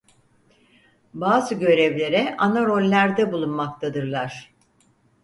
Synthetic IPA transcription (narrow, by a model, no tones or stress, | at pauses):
baːzɯɟø̞ɾɛvlʲe̞ɾɛʔanaɾo̞lʲːæɾd̪ɛbulˠunmak̚t̪ʰad̪ɯɾlˠaɾ̥